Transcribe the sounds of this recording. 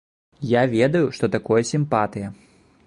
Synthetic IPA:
javʲɛd̪ɐjuʂt̪ɔt̪akɔjɐsʲimpat̪ɨjɐ

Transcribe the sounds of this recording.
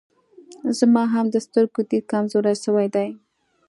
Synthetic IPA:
zmɑɦamd̪əst̪əɾɡod̪ikɑmzoɾaʃəwajd̪aj

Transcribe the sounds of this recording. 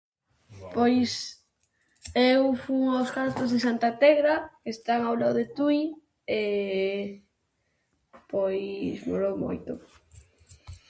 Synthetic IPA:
pojs | ewfuŋoskant̪ozðesant̪at̪ɛɣɾakest̪aŋawlaðet̪ui | e | pojsmo̰ɾowmo̰jt̪ʊ

